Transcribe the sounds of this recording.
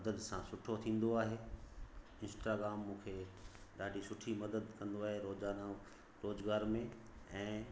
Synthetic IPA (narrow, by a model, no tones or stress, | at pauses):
d̪əd̪sãsʊʈʰot̪ʰĩːn̆d̪oaːɦe | ɪ̃nsʈaːɡɾaːmːũːkʰeɗaːɖʱisʊʈʰimɐd̪əd̪kɐ̃nd̪oaːɦeɾoːzaːna | ɾoːzɡaːɾmẽ | ɛ̃ː